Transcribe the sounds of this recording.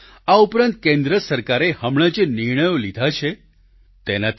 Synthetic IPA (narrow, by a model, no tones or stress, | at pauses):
aupɾãnt̪̚kẽnd̪ɾəsəɾkaɾehəmɳ̃ad͡ʒeniɾɳ̃əjolid̪ʱat͡ʃʰe | t̪enat̪